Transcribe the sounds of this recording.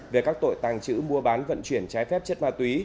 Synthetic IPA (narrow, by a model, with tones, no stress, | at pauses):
ve˨˩kaː˦˥k̚t̪o̰˧˨jt̪aː˨˩ŋt͡ɕɨ̰˧˥mu˧əɓaː˨˦nvə̰˧˨nt͡ɕwi˧˩ənt͡ɕaː˨˦jfɛ˦˥p̚t͡ɕə˦˥t̚maː˧t̪wi˨˦